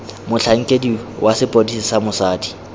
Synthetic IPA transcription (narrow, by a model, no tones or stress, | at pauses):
mʊɬʰaŋ̩kʼediwʔasɪpʼodisɪsamʊsaːdi̥